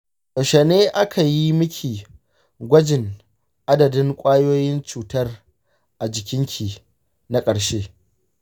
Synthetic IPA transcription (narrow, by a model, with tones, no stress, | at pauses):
ʔʼo˨ʃe˨neː˦ʔa˦kʰa˨ji˦mʊ˦kʲʰiː˨ | ɡʷɐ˦d͡ʒɪ˨ŋ | ʔa˦dɐ˨dɪ˦ŋkʷʼaː˦joː˦jɪ˦nt͡ʃuː˨tɐ˦r | ʔa˨d͡ʒɪ˨kʲɪ˦ŋkʲʰiː˨ | na˦kʼɐ˨ɽʃeː˦